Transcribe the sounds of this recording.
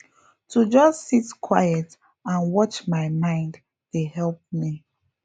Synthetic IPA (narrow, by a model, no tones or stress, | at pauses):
tud͡ʒʌssitkʰwajɛt | ãnwɔt͡ʃmaɪmãɪ̃nd | tehɛlˠp̚mi